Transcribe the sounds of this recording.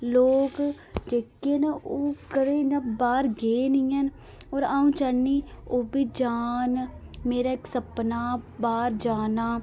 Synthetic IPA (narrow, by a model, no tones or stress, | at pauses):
loːk | d͡ʒeːkːeːnoːkəɾeːɡabaːɾɡeːnĩːən | oːɾaːũːt͡ʃəniːoːbiːd͡ʒaːnmeːɾaːɪksəpnaːbaːɾd͡ʒaːnaː